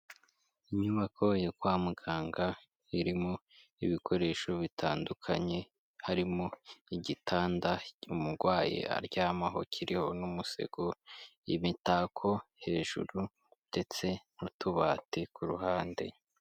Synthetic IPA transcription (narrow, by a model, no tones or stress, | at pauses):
iɲuβakʰo̞jekwaːmuɡaːŋɡa | iɾimo | iβikʰo̞ɾe̞ːʃo̞βitʰaːndukʰaɲe̞ | haɾimoiɟitʰaːndaumuɾɡwaːjḛa̰ɾɟaːmaɦo̞̰cʰiɾiho̞numuse̞̰ɡ̥ojimitaːkʰo̞he̞ːʒ̥uɾu | nd̥e̞t͡se̞nutʰuβaːtikuɾuɦaːnde̞̰